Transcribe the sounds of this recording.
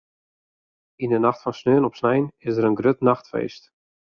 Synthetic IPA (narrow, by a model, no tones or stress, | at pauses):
indənaxtfɔnsnøənɔpsnɛjnɪsəɾənɡrøtnaxtfḛːst